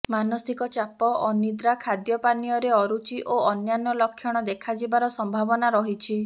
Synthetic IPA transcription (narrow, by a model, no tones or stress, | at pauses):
manɔsikɔt͡ʃapɔʔɔnid̪ɾakʰad̪jɔpanijɔɾeɔɾut͡ʃiʔʔoɔnjanɔlɔkʰːjɔɽ̃ɔd̪ekʰad͡ʒibaɾɔsɔmbʱabɔnaɾɔɦit͡ʃʰi